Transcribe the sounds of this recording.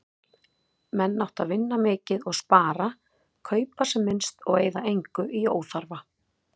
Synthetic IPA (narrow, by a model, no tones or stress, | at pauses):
mɛnːawht̪aðvɪnːamɪːcɪðɔɣspaːɾa | kʰœːɥpasɛmːɪnst̪ɔɣeːjðaejŋkʏʔioːwθaɾva